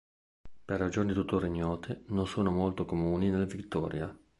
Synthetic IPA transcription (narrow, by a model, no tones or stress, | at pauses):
perːad͡ʒoːnit̪ut̪ːoriɲːɔːt̪ʰenonsoːnomolt̪okomuːninelːavit̪ːɔːɾja